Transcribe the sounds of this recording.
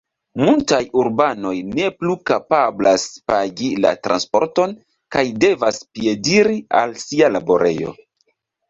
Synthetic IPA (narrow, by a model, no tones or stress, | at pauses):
multajuɾbano̞jne̞plukapablaspaɡila̰tɾa̰nspo̞̰ɾto̞n | kajde̞vaspje̞diɾialsialabo̞ɾe̞jo̞̰